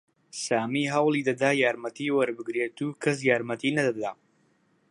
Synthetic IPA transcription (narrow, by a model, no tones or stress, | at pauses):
saːmiːɦɐwlˠid̪ɐd̪aːjaːɾmɐt̪ʰiːwɐɾbɨɡɾet̪ukʰɐs̬jaːɾmɐt̪ʰiːnɐd̪ɐd̪aː